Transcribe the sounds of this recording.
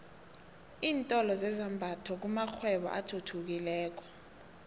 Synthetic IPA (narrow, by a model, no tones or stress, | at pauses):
iːntʼɔlɔzɛzambʱatʰɔk̬umak͡xʰwɛɓɔ̰ʔatʰutʰuk̬ilɛːk̬ɔ